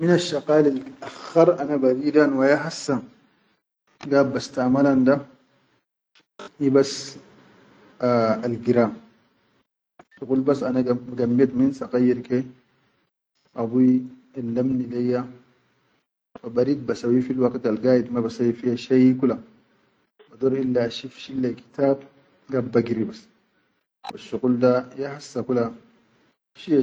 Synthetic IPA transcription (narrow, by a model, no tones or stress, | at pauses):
minaʃːaqaːlalʔaxːɑɾˤanabaɾiːdanwajaɦasːa | ɡaːbːast̪amalanda | ibas | alɡiɾaːm | tuqulbasanaɡɡamːjet̪minsaqajːiɾke | ʔabu | alːamnilejːa | fabaɾid̪̚basawifilwaqt̪alɡaːjid̪mabasawifiaʃajkula | bad̪oɾilːaaʃifʃilːaki̥t̪aːb̚ | ɡabːaɡiɾibas | waʃːuɣuldajahasːakula | ʃia